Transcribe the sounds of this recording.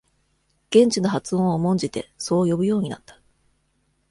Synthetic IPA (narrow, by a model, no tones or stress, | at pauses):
ɡ̥ẽ̞ɲ̟t͡ɕino̞ɦat͡sɨõ̞ɰ̃omõ̞ɲ̟d͡ʑit̪e̞̰so̞ːjo̞bɯ̟jo̞ːɲ̟ina̰t̪ːḁ